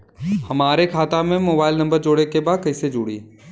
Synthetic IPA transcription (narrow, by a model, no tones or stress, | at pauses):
hɐmaːɾekʰaːt̪amẽmoːbaːɪlnɐ̃mbəɾd͡ʒoːɽekebaːkɐɪsed͡ʒʊːɽḭː